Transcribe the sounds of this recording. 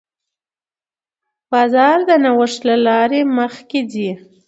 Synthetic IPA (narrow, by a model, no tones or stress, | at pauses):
b̥ɑzɑɾd̪ənawəʂlalɑɾeməxkedi